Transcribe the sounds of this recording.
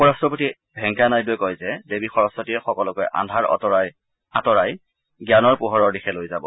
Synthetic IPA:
upɔɹastɹɔpoti | bʱɛŋkanajbuɔjkɔjzɛdebixɔɹɔsɔtiɛxɔkɔlɔkojʔa̰dʱaɹɔ̰taj | atɔɹaj | ɡjanɔɹpuɦɔɹɔɹdixɛlojzabɔ̰

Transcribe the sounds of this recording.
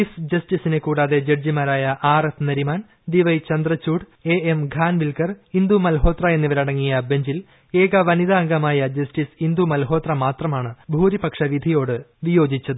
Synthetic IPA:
isd͡ʑɐsʈisinekuːɽaːðe̞d͡ʑerd͡ʑimaːɾaːjɐʔaːrefnɐɾimaːn | d̪iʋɐjt͡ɕɐnd̪rɐt͡ɕːuːɽ | e̞emɡʱaːnʋilkɐrind̪umɐlɦo̞ːt̪rɐe̞nːiʋɐɾɐɽɐŋːijɐbe̞ɲd͡ʑil | e̞ːɣɐʋɐniðaːŋɡɐmaːjɐd͡ʑɐsʈisind̪umɐlɦo̞ːt̪rɐmaːt̪rɐmaːɳɨbʱuːɾipɐkʂɐʋid̪ʱijo̞ːɽɨʋijo̞ːd͡ʑit͡ɕːɐðɨ

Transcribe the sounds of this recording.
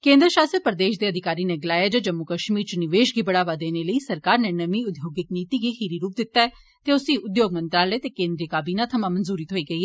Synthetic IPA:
kẽːnd̪ɾəʃaːsəpəɾəd̪eːʃd̪eːəd̪ʱɪkaːɾiːneːɡɪlaːjaːd͡ʒəd͡ʒəmːʊkəʃmiːɾt͡ʃnɪʋeːʃɡiːbəɽaːʋaːd̪eːneːləiːsəɾkaːɾneːnəmiːʊd̪joːɡɪkniːt̪iːɡiːxiːɾiːɾuːp̚d̪ɪt̪ːaːɛː | t̪eːʊsĩːʔʊd̪joːɡmə̃nt̪ɾaːleːt̪eːkẽːnd̪ɾijəkaːbiːnãːt̪ʰəmãːmənzuːɾiːt̪ʰoːiːɡəiːɦɛː

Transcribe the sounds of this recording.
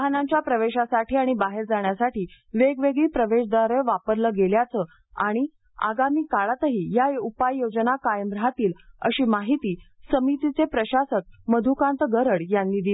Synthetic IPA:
ɦnaɲt͡ɕjapɾəʋeɕasaʈiːaɽ̃ibaɦeɾd͡zaɳjasaʈiː | ʋeɡʋeɡɭiːpɾəʋeʂd̪aɾəʋapəɾləɡeljat͡səː | a̰ɽ̃i | a̰ɡamiːkaɭat̪əɦiːjaupajːod͡znakajəmbɾɦat̪iːlə̰ɕiːmaɦit̪iːsəmit̪it͡sepɾəɕasət̪̚məd̪ʱukãnt̪əɡəɾəɽjanːiːd̪i

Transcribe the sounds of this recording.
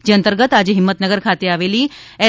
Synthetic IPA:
d͡ʑeənt̪əɾɡət̪ad͡ʑɦimːət̪nəɡəɾkʰat̪eaːʋeːliːɛ

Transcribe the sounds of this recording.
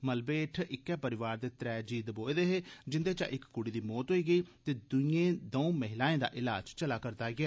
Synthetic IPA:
məlbeːʈʰɪkːɛːpəɾɪʋaːɾd̪eːt̪ɾɛːd͡ʒiːd̪boːeːd̪eːɦeːd͡ʒɪnd̪eːt͡ʃa̰ːʔɪkːʊɽiːd̪iːmɔːt̪ɦoiːɡəiːt̪eːd̪ʊiẽːd̪oũːməɦɪlaːẽːd̪a̰ːʔɪlaːd͡ʒt͡ʃəlaːkəɾt̪aːɡɪaː

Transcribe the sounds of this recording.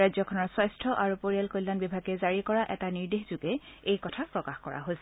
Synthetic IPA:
ajzɔkʰɔnɔɹswajstʰɔʔaɹupoɹijalkojlːanbibʱaɡɛzaɹikɔɹaʔɛ̰taniɹdexz̥uɡɛejkɔtʰapɹɔkaxkɔɹa̰ɦojsɛ

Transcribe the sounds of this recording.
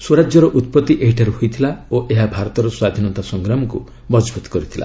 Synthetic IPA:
suɾad͡ʒjɔɾɔʔut̪̚pɔt̪ːiʔeɦiʈʰaɾuɦojt̪ʰilaoʔeɦabʱaɾɔt̪ɔɾɔswad̪ʱinɔt̪asɔŋɡɾamɔku | bɔd͡ʒbʱut̪kɔɾit̪ʰila̰

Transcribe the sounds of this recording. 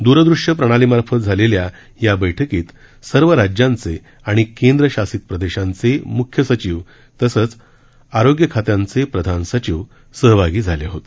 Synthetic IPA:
d̪uɾəd̪ɾuʂjəpɾəɽ̃alimaɾfət̪̚d͡zʱalelja | jabəjʈʰəkiːt̪ | səɾʋəɾad͡ʑjãnt͡se | aɽ̃ikend̪ɾəɕasiːt̪̚pɾəd̪eɕãnt͡semukʰjəsət͡ɕiːʋ | t̪əsəːt͡s | aɾoɡjəkʰat̪jãnt͡sepɾəd̪ʱansət͡ɕiːʋ | səɦbʱaɡiːd͡zʱaleɦot̪

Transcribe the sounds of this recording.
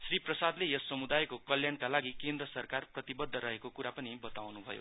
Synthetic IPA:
sriprʌsad̪lejʌsːʌmud̪ajkokʌljankalaɡikend̪rʌsʌrkarprʌt̪ibʌd̪ʱːʌɾʌɦekokuɾapʌnibʌt̪awnubʱʌ̰jo̰

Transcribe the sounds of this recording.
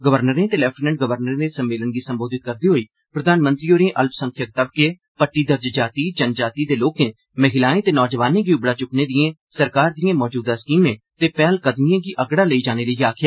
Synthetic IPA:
ɡəʋəɾnəɾẽːt̪eːlɛːpʈːnɛ̃ɳʈɡəʋəɾnəɾneːsəmːeːlənɡiːsəmboːd̪ɪt̪̚kəɾd̪iːɦoːiː | pɾəd̪aːnmə̃nt̪ɾiːoːɾẽːʔəlpsəŋkʰjək̚t̪əbkeː | pəʈːiːd̪əɾd͡ʒd͡ʒaːt̪iːd͡ʒənd͡ʒaːt̪iːd̪eːloːkẽː | məɦɪlaːẽːt̪eːnɔːd͡ʒəʋaːnẽːɡiːʊbɽaːt͡ʃʊkneːd̪ɪẽːsəɾkaːɾd̪ɪjẽːmɔːd͡ʒuːd̪aːskiːmẽːt̪eːpɛːlkəd̪mijãːɡiːʔəɡɽaːləiːd͡ʒaːneːləiaːkʰɪjaː

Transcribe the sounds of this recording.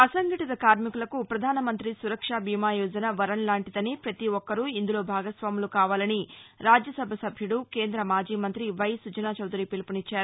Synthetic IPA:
ɐsɐŋɡɐʈit̪ɐkaːɾmikulɐkupɾɐd̪ʱaːnɐmɐnt̪ɾisuɾɐkʂaːbʱiːmaːjɔːd͡ʒɐnɐʋɐɾɐnlaːɳʈid̪ɐnipɾɐt̪iʋɔkːɐɾuind̪ulo̞ːbʱaːɡɐsʋaːmulukaːʋaːlɐniɾaːd͡ʒjɐsɐbʱɐsɐbʱjuɽuke̞ːnd̪ɾɐmaːd͡ʒiːmɐnt̪ɾiʋɐjsut͡ʃɐnaːt͡ʃɐwd̪ɾipilpunit͡ʃːaːɾu

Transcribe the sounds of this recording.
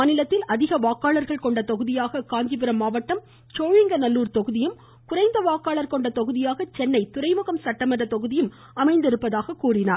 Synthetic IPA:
aːnɪlɐt̪ːɪlʔɐðɪɣɐʋaːkaːɭɐɾɣɐɭkɔɳɖɐt̪ɔɣɯðɪjaːɣɐkaːɲd͡ʒɪp̬ɪɾɐmːaːʋɐʈːɐm | t͡ʃoːɻɪŋɡɐnɐlːuːɾt̪ɔɣɯðɪjɯm | kʊɾɐɪnd̪ɐʋaːkaːɭɐɾkɔɳɖɐt̪ɔɣɯðɪjaːɣɐt͡ʃɛnːɐɪt̪ʊɾɐɪmɯɣɐmsɐʈːɐmɐdɐt̪ɔɣɯðɪjɯm | ɐmɐɪnd̪ɪɾɯpːɐðaːɣɐkuːrɪnaː

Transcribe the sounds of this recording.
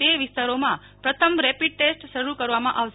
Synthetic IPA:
eʋɪst̪aɾomã | pɾət̪ʰəmɾɛpiɖ̚ʈesʈʃəɾukəɾʋamãʔaʋ

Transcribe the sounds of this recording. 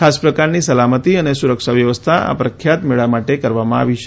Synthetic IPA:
kʰaspɾəkaɾnisəlamət̪iənesuɾəkʃaʋjəʋəst̪ʰaa̰pɾəkʰjat̪meɭamaʈekəɾʋamãa̰ʋit͡ʃ

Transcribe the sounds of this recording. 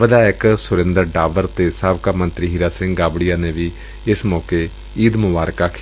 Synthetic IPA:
ʋəd̪aːɪksʊɾɪ̃nd̪əɾɖaːʋəɾt̪eːsaːʋkaːmə̃nt̪ɾiːɦiɾaːsɪ̃ŋɡɡaːbɽijaːneːʋiː | ɪsmɔːkeː | iːd̪mʊbaːɾkaːkʰ

